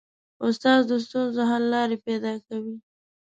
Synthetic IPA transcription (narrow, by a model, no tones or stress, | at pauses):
ʊst̪ɑzd̪əs̬t̪unzoɦalːɑɾepɛd̪ɑkawi